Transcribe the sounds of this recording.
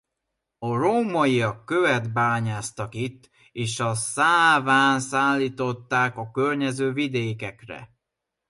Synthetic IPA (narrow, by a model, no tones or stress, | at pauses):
ɒroːmɒiɒkːøvɛd̪baːɲaːst̪ɒkit̪ː | eːʃɒsaːvaːnsaːlːiːt̪o̞t̪ːaːkɒkørɲɛzøːvid̪eːkɛkrɛ̰